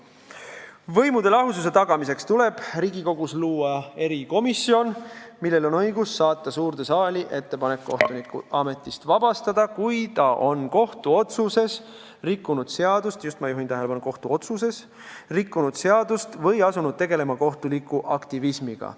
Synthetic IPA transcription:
vɤ̞jmud̪̥elɑɦusus̬e̞t̪ɑɡɑmise̞kst̪ule̞b̥riːɡiko̞ɡ̥usluːɑe̞ɾiko̞misːio̞nmilːe̞lo̞nɤjɡusːɑːt̪ːˑɑsuːrd̪e̞sɑːliʔe̞t̪ːe̞pɑne̞kːoht̪unikɑme̞t̪ːˑist̪vɑb̥ɑst̪ɑd̪ɑkujt̪ɑʔo̞nko̞ht̪uo̞t̪suse̞s | rikːˑunud̪̥se̞ɑd̪ust̪just̪mɑjuɦint̪æɦe̞lepɑnuko̞ht̪uo̞t̪suse̞s | rikˑːunud̪̥se̞ɑd̪ust̪vɤjɑsunud̪̥̚t̪eɡ̥e̞le̞mɑko̞ht̪ulikːˑuʔɑkt̪ivismiɡ̥ɑ̰

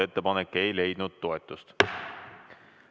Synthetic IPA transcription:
e̞t̪ːe̞pɑnekːe̞jle̞jd̪̥̚nud̪̥̚t̪o̞e̞t̪ːˑust̪

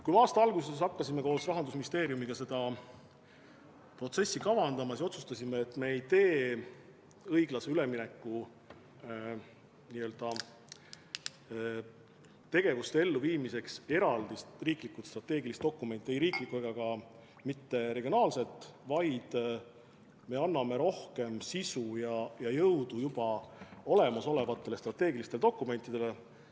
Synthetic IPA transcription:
kujmeɑːst̪ɑɑlɡuse̞s̬ɑkːɑsimeko̞ːsɾɑɦɑnd̪usmist̪eːɾiumiɡ̥ɑse̞d̪ɑ | pro̞t̪se̞sːikɑvɑnd̪̥ɑmɑsiso̞t̪sust̪ɑsʲimeːt̪ːˑme̞ːjt̪e̞ː | ɤjɡ̥lɑseyle̞minekːu | niːø̞ːld̪̥ɑ | t̪e̞ɡ̥e̞vust̪ee̞lːuviːmise̞kse̞ɾɑld̪isriːklikːˑut̪st̪rɑt̪ːˑe̞ːɡilist̪̚o̞kˑːume̞nt̪ːie̞jɾiːklikːˑueɡɑɡ̥ɑ | mit̪ːe̞ɾe̞ɡ̥ionɑːlse̞lt̪ˑːvɑjd̪̥ | me̞ɑnːɑme̞ɾo̞hke̞msisujɑjɑjɤwd̪ujub̥ɑo̞le̞mɑso̞le̞vɑt̪ˑːe̞lest̪rɑt̪ːe̞ːɡilist̪e̞led̪o̞kːˑume̞nt̪ːˑid̪e̞le

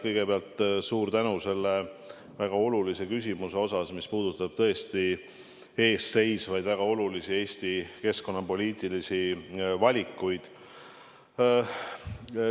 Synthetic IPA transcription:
kɤjɡ̥e̞peɑlt̪ˑsuːrt̪ænuse̞lːe | væɡ̥ɑo̞lulise̞kysʲimuse̞o̞sɑsmispuːd̪̥ut̪ːˑɑb̥̚t̪ɤ̞e̞st̪i | e̞ːsːe̞jsvɑjd̪̥væɡ̥ɑo̞lulisie̞ːsʲt̪ike̞sko̞nːɑpo̞lʲiːt̪ˑilisivɑlʲikːˑujd̪̥

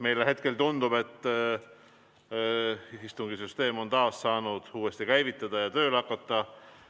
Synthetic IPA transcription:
me̞jleɦe̞t̪ke̞lt̪und̪̥ub̥e̞t̪ːˑ | ist̪uŋɡ̥isyst̪e̞ːmo̞nt̪ɑːssɑːnud̪̥uːest̪ikæjvit̪ːˑɑd̪̥ɑjɑt̪ø̞ːlɑkːˑɑt̪ːˑɑ

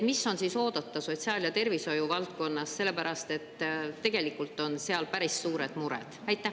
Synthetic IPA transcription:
misːo̞nsiso̞ːd̪̥ɑt̪ːˑɑso̞tʲsiɑːljɑt̪e̞rviso̞juvɑlt̪̚ko̞nːɑsːe̞lːepæɾɑst̪e̞t̪ːt̪ːe̞ɡ̥e̞likːˑult̪ːˑo̞nse̞ɑlpæɾissuːɾe̞d̪̥muɾɛ̰d̪̥æjt̪ːˑæh

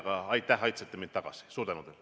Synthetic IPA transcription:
ɡ̥ɑɑjt̪ːˑæɦɑjt̪set̪ːemint̪t̪ːɑɡ̥ɑ̰si̥suːɾt̪ænud̪el

